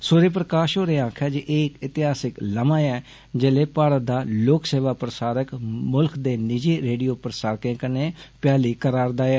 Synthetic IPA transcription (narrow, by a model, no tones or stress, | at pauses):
soːɾeːp̬ɾəkaːʃɦoːɾeːãːkʰaːd͡ʒiʔeːkɪt̪ɪɦaːsɪkləmãːɛː | d͡ʒeːleːpaːɽət̪̚d̪aːloːkseːʋaːpɾəsaːɾəkmʊlkd̪eːnɪd͡ʒeːɾeːɖijoːpɾəsaːɾkẽːkənẽːpɪjaːliːkəɾaːɾd̪aːɛː